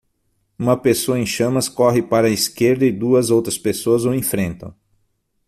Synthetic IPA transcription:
ũmɐpesoɐẽj̃ʃɐ̃mɐskɔɦɪpaɾɐiskeɾd̪ɐɪd̪uɐzowt̪ɾɐspesoɐzoẽfɾẽnt̪ɐ̰̃w̃

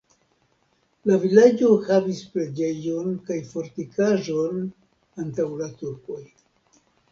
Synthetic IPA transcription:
lavilad͡ʒo̞havispɾe̞d͡ʒe̞jo̞nkajfo̞ɾtikaʒo̞n | antawlatuɾko̞j

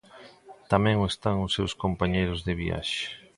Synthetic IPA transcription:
t̪amɛ̃ŋoest̪aŋʊsːewskompaɲejɾʊzðɪβia̰ʃɪ̥

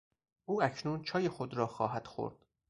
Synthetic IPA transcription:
ʔuːæcʰnuːnt͡ʃʰɒːje̞xod̪ɾɒːxɒːɦæd̪̥xo̰ɾd̪̥

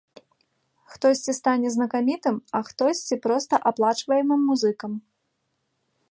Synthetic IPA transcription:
xt̪ɔsʲt͡sʲist̪anʲɛznɐkamʲit̪ɨmɐxt̪ɔsʲt͡sʲipɾɔst̪ɐʔaplˠat͡ʂvɐjɛmɨmːuzɨkɐm

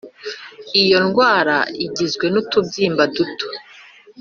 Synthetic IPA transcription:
ijo̞nɡwaːɾaiɟizɡwe̞nutubjiːmbaduto̥

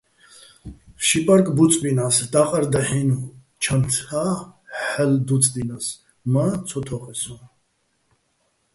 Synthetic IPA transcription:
ʃipʼaɾkʼbut͡sʼbinasd̪aqʼaɾd̪ahin | t͡ʃʰant̪ʰaħɛld̪ut͡sʼd̪inas | mat͡sʰɔt̪ʰɔχʼɛsun

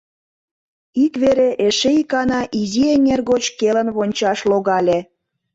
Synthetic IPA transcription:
ikβeɾeʔeʃeikɑnɑʔizienʲerɣot͡ɕkelənβonʲt͡ɕɑʃloɣɑlʲe

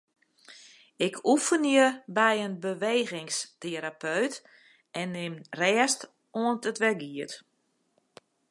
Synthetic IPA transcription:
ɪkʰufəniəbɛjənbəʋeːɣɪŋsteɾapøɥt | ɛnːɪmrɛːst | oəntətʋɛɡiət

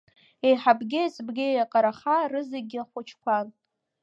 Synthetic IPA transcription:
ejħabɡʲɪesbɡʲɪejaqʼaɾaχarɨzeɡʲɪaχʷʊt͡ʃʰkʷʰan

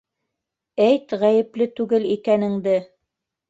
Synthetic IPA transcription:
æjt̪ʁæjɘ̆plɘt̪ʉɡɘlikænɘ̆ŋd̪ɘ

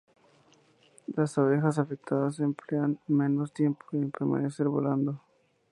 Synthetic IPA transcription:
lasaβe̞xas̬afek̚t̪aðasempleanme̞no̞st̪je̞mpʰo̥empeɾma̰ne̞se̞ɾβo̰land̪o

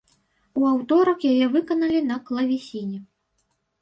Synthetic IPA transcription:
uawt̪ɔɾɐkjajɛvɨkɐnɐlʲinɐklˠɐvʲisʲinʲɛ

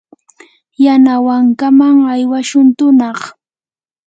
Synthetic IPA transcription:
janawaŋkamaŋajwaʃʊnt̪ʊnɑχ

